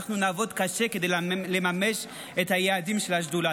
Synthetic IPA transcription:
χnunaːvo̞d̪kaʃeked̪ejlemameʃ | ethajeadimʃelhaʃdula

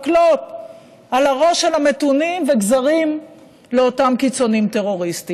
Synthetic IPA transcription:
klot̚ | alaʁo̞ʃelame̞tunimveɡzaʁim | leotamkit͡so̞nimteʁo̞ʁisti

